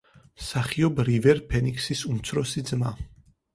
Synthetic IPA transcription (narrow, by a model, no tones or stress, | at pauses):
msaχiɔbɾivɛɾpʰɛnikʰsisumt̪sʰɾɔsid̪zma